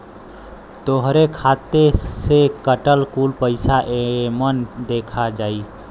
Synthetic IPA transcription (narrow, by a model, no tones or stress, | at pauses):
t̪oɦɾekʰaːt̪esekəʈəlkuːlpəɪsaʔemənd̪eːkʰad͡ʒaːiː